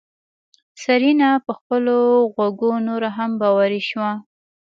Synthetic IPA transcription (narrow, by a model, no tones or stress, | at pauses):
saɾinapəxpəloɣaɡonoɾaɦambɑwaɾiʃwa